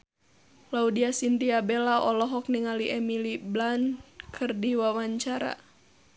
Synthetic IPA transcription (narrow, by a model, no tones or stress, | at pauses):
laudiasint̪iabɛlaʔɔlɔɦɔk̚niŋaliʔɛmiliblankʰɨrdiwawaɲt͡ʃaɾa̰